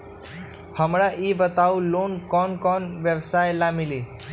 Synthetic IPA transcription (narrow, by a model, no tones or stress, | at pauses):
hʌmɾaʔibət̪awlonkɔnkɔnbjʌbsajlamili